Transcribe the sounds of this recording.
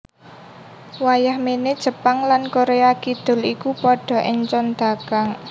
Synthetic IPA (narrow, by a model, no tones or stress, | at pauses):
wajahmened̥ʒ̥ə̤paŋlankoɾeakid̪̥ʊ̤likupɔɖ̥ɔ̤ʔɪɲt͡ʃɔnd̪̥ä̤kaŋ